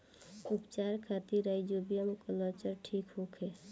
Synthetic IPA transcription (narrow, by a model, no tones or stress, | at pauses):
upt͡ʃaɾkʰat̪iɾajd͡ʒobijəmkəlɔt͡ʃəɾʈʰikɦokʰe